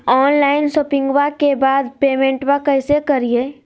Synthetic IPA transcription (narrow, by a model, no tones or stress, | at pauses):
ɔːnlaːɪnsopɪ̃ŋɡwakebaːd̪peːmẽɳʈwakəɪsekəɾie